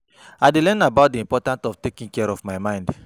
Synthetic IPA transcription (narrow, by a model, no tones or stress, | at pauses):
adelɛ̃nabaʊt̚diĩmpɔtãntɔftekĩŋkɛɹɔfmaɪmãɪ̃nd